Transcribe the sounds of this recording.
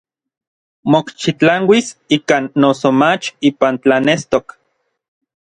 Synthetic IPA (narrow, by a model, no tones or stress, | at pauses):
mokt͡ʃit͡ɬaŋwisikanːosomat͡ʃiːpant͡ɬanest̪ok